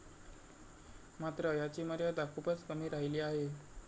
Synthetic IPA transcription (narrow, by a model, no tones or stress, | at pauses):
mat̪ɾəjat͡ɕiːməɾjad̪akʰupət͡skəm̤iːɾaɦiliːaɦe